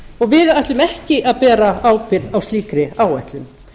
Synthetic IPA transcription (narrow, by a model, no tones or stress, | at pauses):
ɔɣvɪðajht̪lʏmɛhcɪʔaðpɛːɾaaːwpɪɾðawst̪iːkɾɪaːwajht̪lʏm